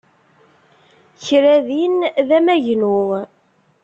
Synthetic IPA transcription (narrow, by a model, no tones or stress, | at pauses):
çɾæðinðæmæʝnu